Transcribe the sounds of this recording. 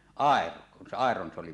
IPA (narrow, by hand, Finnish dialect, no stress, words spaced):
ɑˑero kun se ɑˑeron se oli